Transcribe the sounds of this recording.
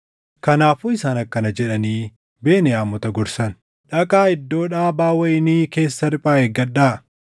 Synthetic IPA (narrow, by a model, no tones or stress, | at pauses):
kɐnaːfuːɪsaːnɐkːɐnɐd͡ʒɛᶑɐniː | be̞ːnɛaːmːɔt̪ɐɡɔɾsɐn | ᶑɐkʼaːɪd̪ːo̞ːᶑaːbaːwɐɪniːke̞ːsːɐɾɪpʼaːɛɡɐᶑaː